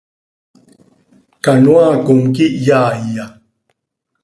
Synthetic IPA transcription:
kanwaːkuŋkiʔjaːija

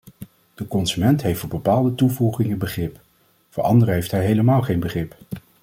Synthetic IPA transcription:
d̥əkɔnzymɛntɦejftɔbəpaːlˠdətuvuχɪŋənbəχrɪp | voːʔɑ̰ndərəɦejftɦɛjɦejləmaːlˠχejnbəχrɪp

